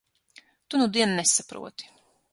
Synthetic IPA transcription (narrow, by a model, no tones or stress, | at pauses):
t̪unud̪iɛnnesapɾṵɔt̪i̥